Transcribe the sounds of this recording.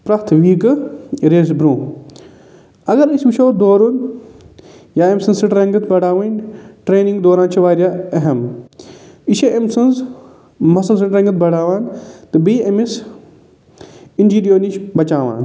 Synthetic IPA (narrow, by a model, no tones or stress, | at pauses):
pɾɐt̪ʰʋiːkɨɾeːzbɾũː | ɐɡɐɾisʲbiʃʰoːd̪oːɾun | jaːemsɐnzsɨʈɾɐ̃ŋɡɐt̪ʰbɐɽaːʋɐnʈɾeːnĩŋɡd̪oːɾaːnt͡ʃʰiʋaːɾjaɐɦɐm | iʃeʔemsɐnz | mɐsɐls̬ɨʈɾɐ̃ŋɡɨt̪̚bɐɽaːʋaːnt̪ɨbiːɐmis | ind͡ʒiːdijoːnit͡ʃbɐt͡ʃaːʋa̰ːn